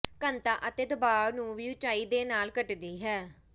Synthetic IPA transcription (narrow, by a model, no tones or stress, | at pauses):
kənt̪ãːʔət̪eːd̪ʊbaːɾnũːʋiːʊt͡ʃaːiːd̪eːnaːlkəʈd̪iːɦɛː